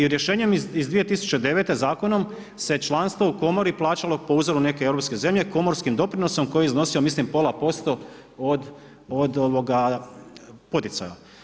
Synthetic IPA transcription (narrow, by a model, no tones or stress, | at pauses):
iɾje̞ʃeːɲe̞mizd̪ʋije̞t̪isu̥t͡ɕe̞d̪e̞ʋe̞t̪e̞zaːko̞no̞m | se̞t͡ʃlˠanst̪ʋouko̞mo̞ɾiplˠaːt͡ʃalo̞po̞uzoɾune̞keeɾopske̞ze̞mʎe̞ko̞mo̞ɾskimd̪o̞pɾinoso̞mko̞jeizno̞siomislimpo̞lˠapo̞st̪o̞ | od̪ | od̪oʋo̞ɡa | pot̪it̪sa̰ja̰